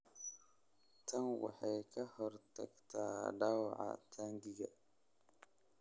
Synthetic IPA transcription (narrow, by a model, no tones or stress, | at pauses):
tʰaŋwa̰ħajkʰahəɾta̰ktadawʕa̰tʰandiɡa